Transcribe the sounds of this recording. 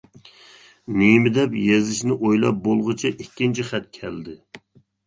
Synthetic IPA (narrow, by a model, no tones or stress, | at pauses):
nemɪd̪ɛpjezɪʃnɪʔojlˠɑ̰p̚bolˠʁʊt͡ʃʰiʔikʲːint͡ʃʰiχɛt̪̚kʲʰɛld̪ɪ